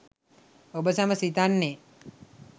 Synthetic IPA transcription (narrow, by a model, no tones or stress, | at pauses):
obəsaməsit̪anːe